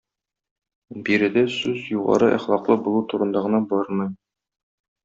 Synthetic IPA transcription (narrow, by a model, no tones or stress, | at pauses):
biɾɘ̆d̪æsʉzjuʁɑ̰ɾɤʔæ̰χlˠɑqlˠɤbulˠut̪uɾɤ̆nd̪ɑʁɤ̆nɑbɒɾmɤj